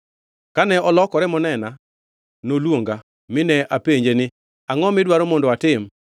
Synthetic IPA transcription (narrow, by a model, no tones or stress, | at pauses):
kanɛɔlɔkɔɾɛmɔnɛna | nolwoŋɡa | mɪnɛʔapeɲd͡ʒenɪ | aŋɔmɪdwaɾɔmondɔatɪm